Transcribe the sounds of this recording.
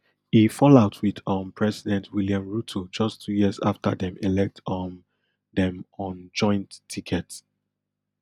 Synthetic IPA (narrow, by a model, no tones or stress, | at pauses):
ifɔlaʊtʰwiðɔ̃mpʰɹɛsidɛ̃ntʰwiljãmɹutʰod͡ʒʌstʰujiəza̰ftə̰dɛ̃melɛk̚tʰɔn | dɛ̃mɔ̃nd͡ʒɔ̃ɪ̃nttʰːikʰɛts